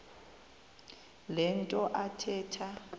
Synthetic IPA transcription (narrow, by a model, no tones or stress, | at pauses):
lɛn̩tʼɔʔatʰɛːtʰa